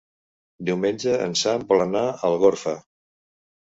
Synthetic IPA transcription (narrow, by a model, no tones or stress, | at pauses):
d̪iwmenʲd͡ʒəə̰nsamplənaəlˠɣoɾfə